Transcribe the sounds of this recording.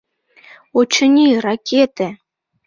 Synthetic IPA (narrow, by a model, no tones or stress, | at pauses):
ut͡ɕɤ̆nʲirakʲʰet̪e